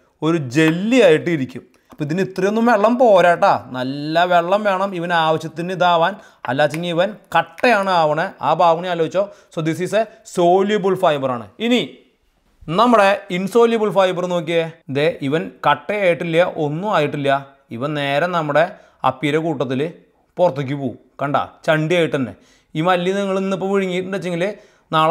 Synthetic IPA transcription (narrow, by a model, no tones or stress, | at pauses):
o̞ɾud͡ʑe̞lːiaːjiʈːɨiɾikʲːum | pːiðinit̪rɐjonːumʋe̞ɭːɐmpo̞ːɾaːʈːaːnɐlːɐʋe̞ɭːɐmʋe̞ːɳɐmiʋɐnaːʋɐɕjɐt̪ːinːɨid̪aːʋaːn | ɐ̰lːaːt͡ɕːiŋːɐiʋɐnkɐʈːejaːɳɨaːʋɐɳeaːbʱaːbɐɳijaːloʋit͡ɕːoːsoːd̪is̬iːseso̞ːlibulfaːjbɐraːɳɨ̰ini | nɐmːɐɽe̞inso̞ːljɐbulfaːjbɐrno̞ːk̬ʲːied̪eʔiʋɐnkɐʈːejaːjiʈːilːjɐʔo̞nːuaːjiʈːilːɐ | iʋɐnne̞ːɾenɐmːuɽe̞ | ɐ̰pːiɾɐkuːʈːɐt̪̬ːilɨ | porɐt̪ːik̬ʲːupoːu | kɐɳɖa̰t͡ɕɐɳɖijaːjiʈːɐnːḛ | iːmɐlːjɐniŋːɐɭinːipːomʋiɻiŋːijiʈːɨɳɖet͡ɕːeŋɡilɨ | naːɭ